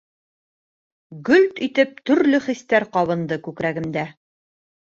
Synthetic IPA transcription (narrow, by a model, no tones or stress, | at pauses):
ɡɵlt̪it̪ɘp̚t̪ɵ̆ɾlɵχist̪æɾqɒβɤ̆nd̪ɤkʉkɾæɡɘ̆md̪æ